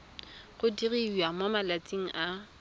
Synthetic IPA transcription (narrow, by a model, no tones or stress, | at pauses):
ɣʊdiriamomalat͡sʼiŋ̩ʔa